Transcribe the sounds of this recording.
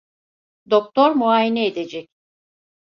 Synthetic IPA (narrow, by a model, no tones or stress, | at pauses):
d̪ok̚t̪ʰoɾmuaːjinɛːd̪e̞d͡ʒɛc̚